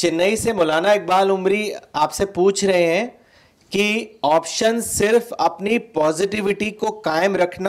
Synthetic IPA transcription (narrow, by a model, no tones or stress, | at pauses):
t͡ʃɪnːəisemɔːlaːnaeːk̚baːlʊmɾiaːpsepuːt͡ʃʰɾɐɦeɦɛ̃ | kiɔːpʃənsɪɾfɐpnipɔːzɪʈɪʋɪʈikokaːɪmɾɐkʰna